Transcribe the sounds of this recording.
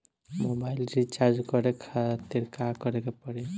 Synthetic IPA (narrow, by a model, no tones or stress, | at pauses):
mobailɾit͡ʃaɾd͡ʒkɔɾekʰat̪iɾkakɔɾekepɔɽe